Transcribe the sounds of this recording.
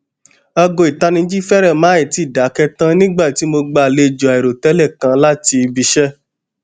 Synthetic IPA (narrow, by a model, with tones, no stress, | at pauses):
ɔ˧ɡo˧i˨ta˧nĩ˧˦d͡ʒi˦fɛ˦ɾɛ˦˨mã˨˦i˦˨ti˨˦˨da˨˦kɛ˦tã˦nĩ˦ɡ͡ba˦˨ti˨˦mo˧ɡ͡ba˧˨le˧˨d͡ʒo˨a˨e˨ɾo˨tɛ˨˦lɛ˦˨kã˧˦la˦ti˧bi˧ʃɛ˦